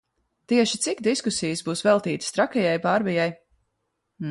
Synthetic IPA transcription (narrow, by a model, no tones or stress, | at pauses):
t̪iɛʃit̪sikd̪iskusijɨsbuːsvɛlˠt̪iːt̪st̪ɾakɛjajbaɾvijaj